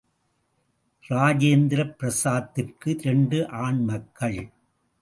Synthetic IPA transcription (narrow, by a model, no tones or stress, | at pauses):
ɾaːd͡ʒeːnd̪ɪɾɐpːɪɾɐsaːt̪ːɪrkɯɾɛɳɖɯʔaːɳmɐkːɐɭ